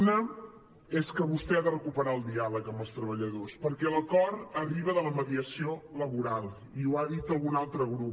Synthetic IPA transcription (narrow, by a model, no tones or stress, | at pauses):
nə | eskəβust̪ɛaðərəkupəɾaəlˠd̪ialəkəmbəlˠst̪ɾəβəʎəðospəɾkɛləkɔɾəriβəðələməðiəsioləβuɾalˠ | iuaðit̪əlˠɣunalˠt̪ɾəɣɾu